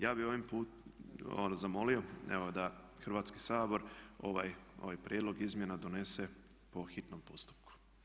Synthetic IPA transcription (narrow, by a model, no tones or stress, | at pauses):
jaːbioʋampuːto̰nzamo̞lio̞eʋo̞d̪axɾ̩ʋaːt̪ski̥saːbo̞ɾo̞̰ʋajo̰ʋajpɾʲjʔed̪loɡizmjenad̪one̞se | po̞xit̪nompost̪u̥p̚ku̥